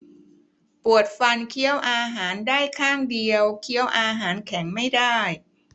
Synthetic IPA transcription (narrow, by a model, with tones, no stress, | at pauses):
pu˨˩ət̪̚fa˧nkʰi˦˥əwʔaː˧ɦaː˩˦ndaː˥˩jkʰaː˥˩ŋdi˧əwkʰi˦˥əwʔaː˧ɦaː˩˦nkʰɛ˩˦ŋma˥˩jdaː˥˩j